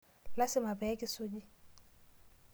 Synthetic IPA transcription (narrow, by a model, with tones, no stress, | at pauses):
la˦sɪ˦ma˨bɛ˨˦kʼɪ˦so˦d͡ʒi˦